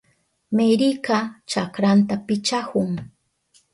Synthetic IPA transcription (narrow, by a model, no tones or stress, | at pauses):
meɾikat͡ʃakɾant̪apɪt͡ʃahʊŋ